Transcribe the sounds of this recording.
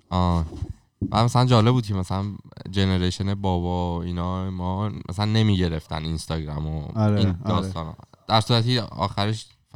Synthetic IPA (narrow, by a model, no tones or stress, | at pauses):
ʔɒː | mʔæ̰mæsælænd͡ʒɒːlebuːd̪̚cʰemæsælænd͡ʒe̞neɾeʃenebɒːbɒiːnɒːemɒːmʔæ̰sælænːe̞miːɟe̞ɾe̞ft̪æninst̪ɒːɟɾæmoɾind̪ɒːst̪ɒːn̰d̪̥æɾsuːɾæt̪ʰiɒ̰ːxæɾeʃ